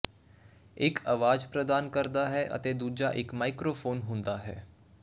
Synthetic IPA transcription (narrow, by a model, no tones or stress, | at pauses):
ɪkʰəʋaːd͡ʒpɾəd̪aːnkəɾd̪aɦɛʔɐ̰t̪ed̪uːd͡ʒaʔɪkmaːɪkɾoːfʰoːnɦõnd̪aɦɛ̰ː